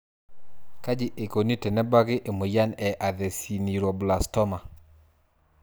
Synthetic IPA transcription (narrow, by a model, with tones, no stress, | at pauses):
ka˦d͡ʒɪ˨ʔe˨ko˨ni˦tɛ˨nɛ˦ba˦ɡɪ˦ʔe˨mo˨ja˦nɛ˨ʔa˨ðɛ˨si˨ni˨ɾo˨bla˨stɔ˦ma˨